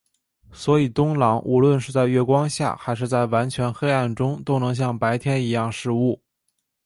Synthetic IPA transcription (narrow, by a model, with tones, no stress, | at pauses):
swɔ˧˥i˨˩t̪ʊ˥ŋlɑ˧˥ŋʔu˧˥lwə˥˧nʂɻ̩˥˧t͡sa˥˧ɪɥɛ˥˩kwɑ˥ŋɕja̰˥˩xa˧˥ɪʂ̬ɻ̩˥˧t͡sa˥˩ɪwa˧˥nt͡ɕʰɥɛ˧˥nxe˥ɪa˥˩nʈ͡ʂʊ˥ŋt̪o˥ʊnɤ˧˥ŋɕ̬jɑ˥˩ŋpa˧˥ɪt̪ʰjɛ˥ni˧˥jɑ˥˧ŋʂɻ̩˥˧u˥˩